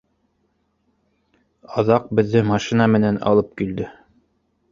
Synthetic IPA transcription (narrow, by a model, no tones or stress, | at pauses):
ɑðɑq̚bɘ̆ðːɘmɑʃinamɘ̆nænɑ̰lˠɤp̚kild̪ɘ